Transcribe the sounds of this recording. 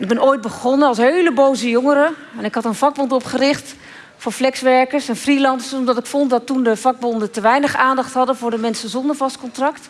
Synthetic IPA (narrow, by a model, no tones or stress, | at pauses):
nɪɡbɛnʔoːjd̚bəχɔnəɑlˠsɦejləbowzəjoŋəɾəɛnɪkɦɑtənv̥ɑɡ̚bɔntɔpχərɪχt | fʊːɹflɛksʋɛɹkəɹsɛnfrilɑndəsɔmdɑtɪkfɔntdɑtːundəvɑɡ̚bɔndətəʋɛjnəχaːndɑχtɦɑdənvʊːɹdəmɛnsəzɔndəɹvɑstkɔntrɑkt